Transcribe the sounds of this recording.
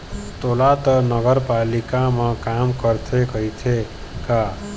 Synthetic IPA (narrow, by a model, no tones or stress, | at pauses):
t̪olat̪ʌnʌɡəɾpalikamʌkamkʌɾt̪ʰekʌɦit̪ʰe | ka